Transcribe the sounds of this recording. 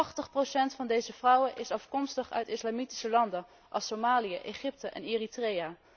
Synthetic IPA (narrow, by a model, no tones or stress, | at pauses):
χtəχprosɛntfɑndejzəv̥rɔwənʔɪsɑfkɔmstəχœ̰ɥtɪslaːmiti̥səlɑndən | ʔɑ̰lˠsomaːlijəʔeχɪp̚təʔɛ̰nɪːritrejaː